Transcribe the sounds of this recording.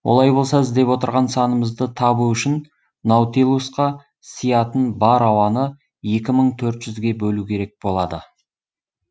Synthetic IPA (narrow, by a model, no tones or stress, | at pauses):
wʔo̰lˠɑjbo̞lˠsɑɪzd̪e̞pwo̞t̪əɾʁɑnsɑnəməzd̪ət̪ʰɑbuʏʃɪn | nowt̪ilˠusqɑ | sijɑt̪ənbɑɾɑwɑnə | je̞kʲɪməɴt̪ʰɵɾt̪ʒ̥ʏzɡʲe̞bɵlukʲʰe̞ɾe̞k̚bo̞lˠɑd̪ə